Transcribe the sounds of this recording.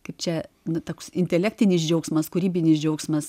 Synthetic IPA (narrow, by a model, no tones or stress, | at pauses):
kɐɪp̚t͡ʃʲɛ | nʊt̪oːksɪnʲt̪ʲɛlʲæːk̚t̪ʲɪnʲɪsd͡ʒʲɛʊksmɐskʊɾʲiːbʲɪnʲɪsd͡ʒʲɛʊksmɐs